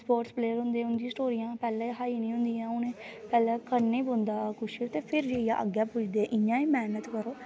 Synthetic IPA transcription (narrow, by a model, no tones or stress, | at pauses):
spoːʈspleːəɾɦʊ̃nd̪eːʊ̃nd̪ĩːsʈoːɾijãːpɛːlɛːɦaːinĩːɦʊ̃nd̪iːãːʊnẽːpɛːlɛ̃ːkəɾnẽːbond̪aːkʊʃot̪eːpʰɪɾd͡ʒeːijã̰ːʔə̰ɡjaːpʊt͡ʃʰd̪eːɛʔɪɲːãːĩːmɛːnət̪kəɾoː